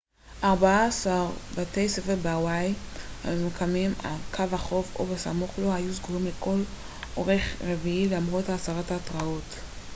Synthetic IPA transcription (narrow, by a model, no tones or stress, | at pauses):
ʔaʁbaaːsaʁbatejsefeʁbawajha̰mimkamima̰kʰavaχo̞fo̰basa̰moχlo̞hajuzɡulimleko̞l | ʔoʁe̞χʁeviilaamʁotaːsaʁatatʁao̞t